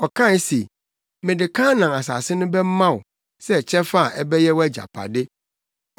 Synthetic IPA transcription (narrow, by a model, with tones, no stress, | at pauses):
ɔ˨kʰã˦˨˦se˨ | mɪ̃˨dɪ˨kʰã˦nã˨ŋa˨s̬a̰˨sɪ˦nʊ̃˦bɛ˦m̩˦mã˦˨wʊ˨ | sɛ˦˨t͡ɕʰɛ̃˦fa˦a˨ʔɛ˦bɛ˦jɛ˦wæ˦d͡ʑa̰˨pʰa̰˨dɪ˦